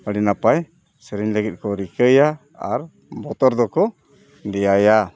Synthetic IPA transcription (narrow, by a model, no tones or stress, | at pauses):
aɽinapaj | səɾiɲləɡit̪̚ˀkɔɾikəja | a̰ɾ | bɔt̪ɔɾd̪ɔkɔ | dɛjaja